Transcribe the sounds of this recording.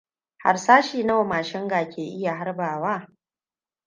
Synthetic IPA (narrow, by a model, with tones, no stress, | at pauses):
ha̰˨rsaː˦ʃiː˨nɐ˦wa˨maː˨ʃɪ˦ŋɡaː˨kʲeː˨ʔɪ˦ja˨ɦa˦rbaː˨waː˦˨